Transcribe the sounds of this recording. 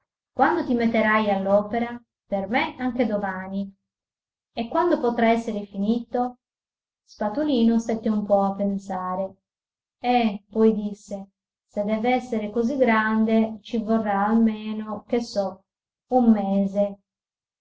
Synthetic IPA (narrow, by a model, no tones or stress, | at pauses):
kwand̪ot̪imet̪ːeɾajalːɔːpeɾa | permeaŋk̟ed̪omaːni | ekːwand̪opot̪ɾaɛsːeɾefiniːt̪o | spat̪uliːnost̪ɛt̪ːeumpɔapːensaːɾe | ɛpɔjd̪isːe | sed̪ːɛːveɛsːeɾekoziɡɾand̪et͡ʃivorːaːlmeːnok̟esːɔ | umːɛːze